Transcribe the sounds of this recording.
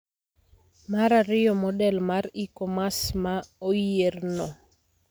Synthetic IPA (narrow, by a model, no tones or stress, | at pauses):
maɾaɾɪjɔmɔdɛlmaɾikɔmasmaojernɔ